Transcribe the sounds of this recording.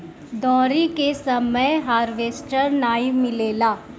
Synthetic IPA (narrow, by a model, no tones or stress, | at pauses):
d̪ɔːɾikesɐməjɦaːɾʋeːsʈəɾnaːimɪleːlaː